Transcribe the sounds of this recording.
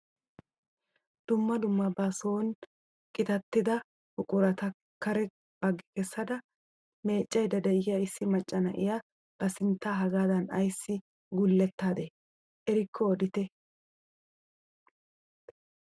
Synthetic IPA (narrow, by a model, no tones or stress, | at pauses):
d̪̥ʊmːɐd̪ʊmːɐbaːsoːn | kʼɪt̪ɐt̪ːɪd̪ɐ | hʊkʼʊɾɐt̪ɐ | kɐɾɛ | b̥ɐɡːɪ̥kɛsːɐd̪ɐ | me̞ːt͡ʃʼːɐjd̪ɐd̪ɐɪɪjɐɪsːɪmɐt͡ʃʼːɐnɐʔɪ̰ja | b̥ɐsɪnt̪ːaːɦɐɡaːd̪ɐnɐ̰jsːɪ | ɡʊlːɛt̪ːaːd̪e | ʔɛɾɪkʰːɔːd̪ɪt̪ɛ